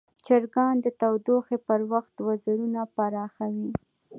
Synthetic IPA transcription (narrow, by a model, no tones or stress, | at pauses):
t͡ʃaɾɡɑnd̪ət̪awd̪oxepəɾwaxt̪wazəɾunapaɾɑxawi